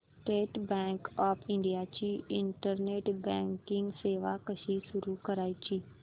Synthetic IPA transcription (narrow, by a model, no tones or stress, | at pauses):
sʈeːʈbɛ̃ːŋkɔːpʰɪ̃ɳɖijat͡ʃiːɪɳʈəɾneːʈbɛ̃ːŋkɪ̃ŋɡseːʋakəʃisʊɾukəɾaːit͡ʃiː